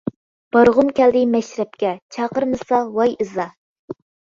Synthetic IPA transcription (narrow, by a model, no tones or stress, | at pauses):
b̥ɑɾʁʊmkʲɛld̪ɪmɛʃɾɛp̚kʲɛt͡ʃʰɑqəɾmɨsɑwɑjɨzɑ